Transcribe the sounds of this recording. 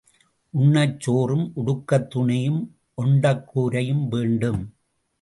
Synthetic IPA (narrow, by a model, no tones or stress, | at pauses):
ʔʊɳːɐt͡ʃːoːrɯmʔʊɽʊkːɐt̪ːʊɳɪjɯm | ʔɔɳɖɐkːuːɾɐjɯmʋeːɳɖɯm